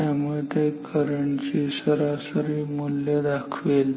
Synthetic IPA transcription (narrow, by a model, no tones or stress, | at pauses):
amuɭet̪ekəɾəɳsisəɾasəɾiːmulːed̪akʰʋel